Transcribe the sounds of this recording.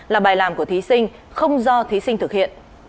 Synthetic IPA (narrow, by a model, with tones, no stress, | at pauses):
laː˨˩ɓaː˨˩jlaː˨˩mku˧˩ət̪ʰi˨˦sï˧ŋ̟ | xə˧wŋ͡mzɔ˧t̪ʰi˨˦si˧ŋ̟t̪ʰɨ˨˩k̚hḭ˧˨ənʔ